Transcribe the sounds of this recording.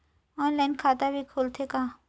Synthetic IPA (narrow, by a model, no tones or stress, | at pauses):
ɔːnlaːɪnkʰaːt̪abʱikʰoːlt̪ʰekaː